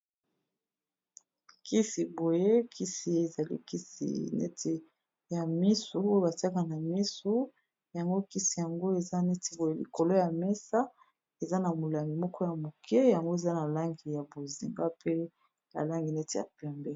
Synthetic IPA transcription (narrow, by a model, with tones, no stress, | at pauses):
ki˦si˨bo˨je˦kʰi˦si˨je˨za˨lḭ˦ki˦sḭ˨nɛ̰˦tʰi˨ | ja˨mi˦su˨o˦je˦ba˨ti˦a˦ka˨na˨mi˦su˦ | ja˨ŋɡo˦ki˦si˨ja˨ŋɡo˦e˨za˦nɛ˦ti˨bo˨je˦lḭ˨ko˨lo˦ja˨mɛ˦sa˦ | e˨za˦na˨mo˨la˨mi˨mɔ˦kɔ˦ja˨mo˨kʰɛ˦ja˨ŋɡo˦e˨za˦na˨la˦ŋɡi˨ja˨bo˨zi˨ŋɡa˦pe˦ | na̰˨la˦ŋɡi˨nɛ˦ti˨ja̰˨pɛ˦mbɛ˦